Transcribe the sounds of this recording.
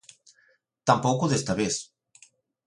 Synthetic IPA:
t̪ampowkʊðest̪aβes

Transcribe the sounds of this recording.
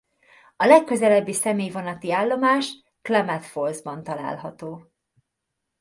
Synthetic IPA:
ɒlɛkːø̞zɛlɛbːisɛmeːjvo̞nɒt̪iaːlːo̞maːʃ | klɛmɛt̪folzbɒnt̪ɒla̰ːlɦɒt̪oː

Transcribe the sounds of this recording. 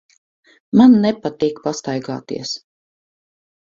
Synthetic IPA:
manːɛpat̪iːkpast̪ajɡa̰ːt̪ḭəs

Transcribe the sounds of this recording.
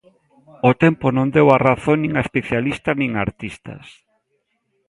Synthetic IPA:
ʊt̪empʊnõnd̪ewaraθoŋnĩŋaespeθjalist̪aznĩŋaɾt̪ist̪ɐ̰s

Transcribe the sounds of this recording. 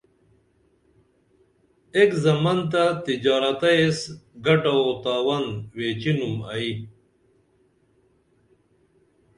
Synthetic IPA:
ekzɐmɐnt̪̬ɐt̪id͡ʑaːɾɐt̪ɐesɡɐʈɐot̪aːwɐnweːt͡ɕinumɐ̰i

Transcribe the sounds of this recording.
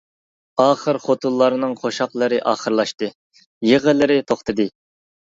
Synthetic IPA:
ɑːχəɾχot̪ʰulˠːɑɾɨnɨŋqʰoʃɑqlˠɨɾɨʔɑːχəɾlˠɑʃt̪ɨ | jeʁəlɨɾɪt̪ʰoχt̪ʰɨd̪ɨ

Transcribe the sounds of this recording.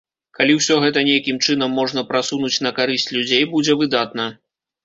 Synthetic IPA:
kalʲiwsʲɔɣɛt̪ɐnʲejakʲimt͡ʂɨnɐmːɔʐnɐpɾasunut͡sʲn̪ɐkaɾɨsʲt͡sʲlʲud͡zʲejbud͡zʲɛvɨd̪at̪n̪ɐ

